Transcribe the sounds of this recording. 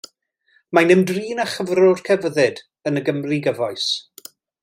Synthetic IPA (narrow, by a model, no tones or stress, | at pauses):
manɛmdriːnaχəvrɔrkʰɛvəðɛd | ənəɡəmriɡəvɔjs